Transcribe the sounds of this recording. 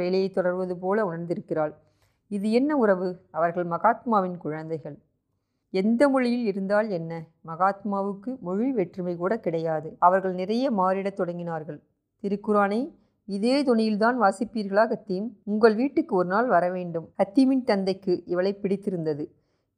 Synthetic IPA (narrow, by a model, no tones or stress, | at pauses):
ʋeːlɐjɐɪt̪ːɔɽɐɾʋɐðɯp̬oːlɐʊɳɐɾnd̪ɪɾɯkːɪraːɭ | ɪðɯɛnːɐʊɾɐʋɯɐʋɐɾɣɐɭmɐɣaːt̪maːʋɪnkʊɻɐnd̪ɐɪɣɐɭ | ɛnd̪ɐmʊɻɪjɪlɪɾɯnd̪aːlɛnːɐ | mɐɣaːt̪maːʋɯkːɯmʊɻiʋɛʈrɯmɐɪkuːɽɐkɪɽɐjaːðɯɐʋɐɾɣɐɭnɪrɐjɐmaːɾɪɽɐt̪ːɔɽɐŋɡɪnaːɾɣɐɭ | t̪ɪɾɯkːɯɾaːnɐɪ | ɪðeːt̪ʊɳɪjɪlt̪aːnʋaːsɪpːiːɾɣɐɭaːɣɐt̪ːɪjɯmʊŋɡɐɭʋiːʈːɯkːɯɔɾɯnaːlʋɐɾɐʋeːɳɖɯmkɐt̪ːɪmɪnt̪ɐnd̪ɐɪkːɯʔɪʋɐɭɐɪpːɪɽɪt̪ːɪɾɯnd̪ɐðɯ